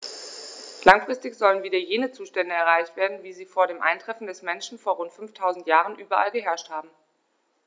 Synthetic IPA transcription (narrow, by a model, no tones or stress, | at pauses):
laŋfʁ̥ɪstɪçz̥ɔlənviːdɐjeːnət͡suːʃtɛndəɛɐʁaɪçtv̥eːɐdn̩viːziːfoːɐɾeːmʔa̰ɪntʁ̥ɛfn̩dɛsmɛnʃn̩foːɐʁʊntfʏnftʰaʊzn̩tjaːʁənʔyːbɐʔalɡəɦɛɐʃthaːbm̩